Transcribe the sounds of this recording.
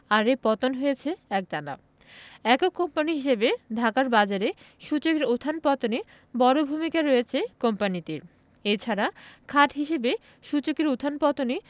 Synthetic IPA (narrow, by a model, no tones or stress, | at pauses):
aɾepɔt̪onɦojet͡ɕʰeɛk̚d̪ana̰ | ɛkokompaniɦiʃebed̪ʱakaɾbad͡ʑaɾe | ʃut͡ɕokeɾot̪ʰːanpɔt̪one | bɔɾobʱumikaɾojet͡ɕʰekompanit̪eɾ | et͡ɕʰaɾakʰaʈɦiʃebe | ʃut͡ɕokeɾot̪ʰːanpɔt̪oni